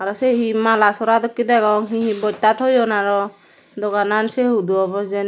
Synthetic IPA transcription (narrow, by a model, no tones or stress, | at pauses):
aɾɔseɦimalasɔɾad̪ɔkːid̪ɛɡɔŋɦĩɦibɔjt̪at̪ʰɔjɔnaɾɔ | d̪ɔɡananseɦud̪uɔbɔsd͡ʒɛn